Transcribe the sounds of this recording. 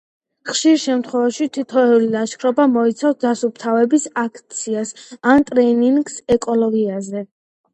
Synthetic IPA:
χʃiɾʃɛmt̪ʰχwɛvaʃit̪ʰit̪ʰɔɛulilaʃkʰɾɔbamɔit̪sʰafsd̪asup̚ʰt̪ʰavɛbisakʰt̪sʰiasant̪ʼɾɛniŋɡsɛkʼɔlɔɡiazɛ

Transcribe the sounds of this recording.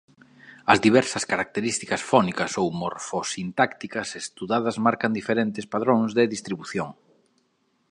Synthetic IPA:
ɐzðiβ̞ɛɾsɐskaɾak̚t̪eɾist̪ikɐsfɔnikɐsowmoɾfosint̪akt̪ikɐsest̪uðaðɐzmaɾkand̪ifeɾent̪ɪspaðɾõŋzðɪðist̪ɾiβuθjoŋ

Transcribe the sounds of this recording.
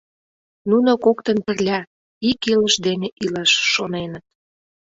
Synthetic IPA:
nunokokt̪ə̆npə̆rlʲɑ | ikiləʃd̪eneʔilɑʃːonenət̪̚

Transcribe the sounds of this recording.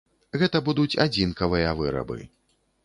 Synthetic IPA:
ɣɛt̪ɐbud̪ut͡sʲa̰d͡zʲinkɐvɨjɐvɨɾɐ̰bɨ̰

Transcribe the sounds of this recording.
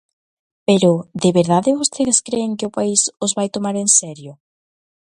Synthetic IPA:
peɾʊd̪eβeɾðaðɪβost̪eðeskɾeːŋkɪʊpaisozβajt̪omaɾensɛɾjʊ

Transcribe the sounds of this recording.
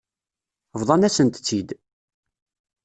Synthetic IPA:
vðˤɑnæsənt̪t͡sːid̪

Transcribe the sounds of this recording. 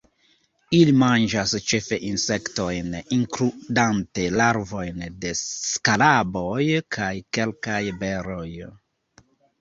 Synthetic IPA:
ilimand͡ʒast͡ʃe̞fe̞ʔinse̞kto̞jniŋkɾudante̞laɾvo̞jnde̞skalabo̞jkʰajke̞lkajbe̞ɾo̞j

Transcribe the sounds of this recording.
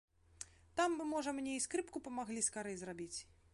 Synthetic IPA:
t̪amːɨmɔʐɐmnʲɛiskɾɨpkupɐmaɣlʲiskaɾɛjzrabʲit͡sʲ

